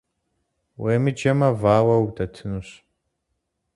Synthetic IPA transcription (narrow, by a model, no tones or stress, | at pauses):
weːmɨd͡ʒɐmɐvaːwɐwdɐtʰɨnuɕ